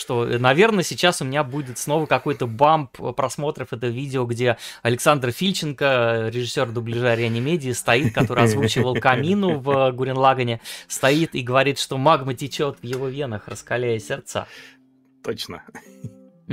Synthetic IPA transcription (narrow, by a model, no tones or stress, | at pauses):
ʂt̪o̞nɐvʲe̞rnəsʲɪt͡ɕːasʊmʲɪnʲabudʲɪt̪sno̞vəkɐko̞jt̪əbamppɾɐsmo̞t̪ɾəfɛt̪əvʲidʲɪoɡdʲe̞ɐlʲɪksand̪rfʲilʲt͡ɕɪnkəɾʲɪʐɨsʲːo̞rd̪ʊblʲɪʐaɾʲɪɛnʲɪmʲedʲɪːst̪ɐit̪̚kɐtt̪o̞ɾɨɪɐzvut͡ɕɪvəlˠkɐmʲinʊvəɡʊɾʲɪnlˠaɡənʲɪst̪ɐit̪iɡəvɐɾʲit̪ʂt̪o̞maɡmətʲɪt͡ɕo̞t̪vjɪvo̞vʲenəxrəskɐlʲæjɪsʲɪrt̪sa̰ | t̪ot͡ɕnə̰